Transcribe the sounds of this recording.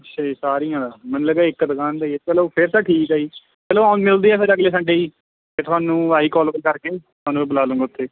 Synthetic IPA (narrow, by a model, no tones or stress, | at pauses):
ət͡ʃʃesaːɾijãːd̪aːmɛ̃ːnːũləɡaːɪkːd̪əkaːnd̪aːiepɛːloːpʰɪɾt̪aːʈʰiːkaːiː | pɛːloːaːnmɪld̪iːɛːpʰɪɾəɡleːsə̃ɳɖeiː | pʰeɾt̪ʰʊaːnũːaːiːkɔːlːbəlkəɾkeːtt̪ʰʊaːnːũːbiːbəlaːlõːŋɡaʊt̪ːeː